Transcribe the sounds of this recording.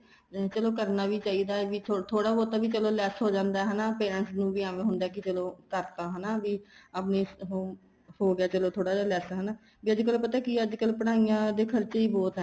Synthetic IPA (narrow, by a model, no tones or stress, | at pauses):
t͡ʃəloːkəɾnaːʋiːt͡ʃaːiːd̪aːɛːʋiːt̪ʰot̪ʰoːɽaːbɔːt̪aːbiːt͡ʃəloːlɛːsɦoːd͡ʒãːnd̪aːɦənaːpeːɾəɳʈsnũːbiːaːʋẽːɦʊnd̪aːk̬ɪt͡ʃəloːkəɾt̪aːɦənaːʋiːəpniːɦoːm | hoːɡɪaːt͡ʃəloːt̪ʰoːɽaːd͡ʒalɛːsɦənaː | biːəd͡ʒkəlopət̪aːkɪəd͡ʒkəlpəɽaːijãːd̪eːkʰəɾt͡ʃeiːbɔːt̪ɦɛ